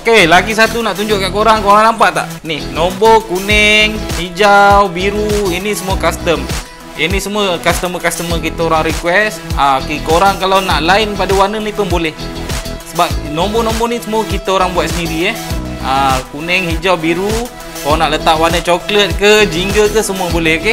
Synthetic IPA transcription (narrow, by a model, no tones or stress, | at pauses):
okelaɡis̬at̪unaʔt̪uɲd͡ʒʊʔkaʔkoɾaŋkoɾaŋnampaʔt̪a̰ʔnihnombokunɛŋhid͡ʒawbiɾuinisəmuəkast̪əm | inisəmuəkast̪əməkast̪əmək̬it̪əoɾaŋɾikwɛsəkekoɾaŋkalawnaʔlaɪnpadəwanənipənbolɛh | səbap̚nombonõmbonisəmuəkit̪əoɾaŋbuat̪̚səniɾiəəkunɛŋhid͡ʒawbiɾu | kawanaʔlət̪aʔwanət͡ʃoklət̪̚kəd͡ʒiŋɡəkəsəmuəbolɛhoke